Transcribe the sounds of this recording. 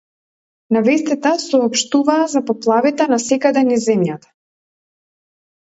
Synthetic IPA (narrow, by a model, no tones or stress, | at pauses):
navɛst̪ɛt̪asɔːpʃt̪uvaːzapɔplˠavit̪ɛnasɛkad̪ɛnizɛmjat̪ḁ